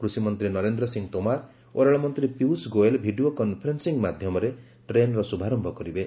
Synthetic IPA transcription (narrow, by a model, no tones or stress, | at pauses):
kɾusimɔnt̪ɾinɔɾend̪ɾɔsiŋt̪omaɾ | oɾaɭɔmɔnt̪ɾipiusɡoelbʱiɖiokɔnpʰɔɾensiŋmad̪ʱjɔmɔɾe | ʈɾenɾɔsubʱaɾɔmbʱɔkɔɾibe